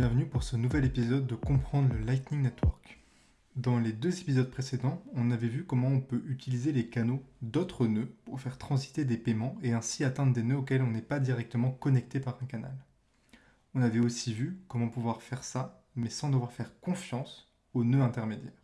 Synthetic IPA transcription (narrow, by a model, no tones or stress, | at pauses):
bjɛ̃vnypuʁsənuvɛlepizɔd̪ːəkɔ̃pχɑ̃d̪ʁləlajt̪nĩŋnɛt̪wɔʁk | d̪ɑ̃led̪øzepizɔd̪̚pχesed̪ɑ̃ɔ̃navɛvykɔmɑ̃ɔ̃pøʔyt̪ilizelekanod̪ot̪χənøpuʁfɛʁt̪χɑ̃zit̪ed̪epemɑ̃eɛ̃siat̪ɛ̃d̪ʁd̪enøok̬ʲɛlɔ̃nɛpad̪iʁɛk̚t̪əmɑ̃kɔnɛk̚t̪epaʁɛ̃kana̰l | ɔ̃navɛosivykɔmɑ̃puvwaʁfɛʁsa | mɛsɑ̃d̪əvwaʁfɛʁkɔ̃fjɑ̃s | onøɛ̃t̪ɛʁmed̪jɛːʁ